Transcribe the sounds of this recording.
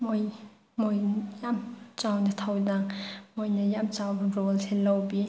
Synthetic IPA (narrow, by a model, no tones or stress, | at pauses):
moj | mojjamt͡ʃawnɐtʰawdaŋmojnɐjamt͡ʃawɾolselawbi